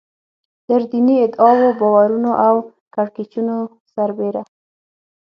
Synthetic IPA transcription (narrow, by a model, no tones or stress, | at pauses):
d̪̥əɾd̪iniɪd̪ɑwobɑwaɾunoʔaw | kaɽket͡ʃuno | saɾbeɾa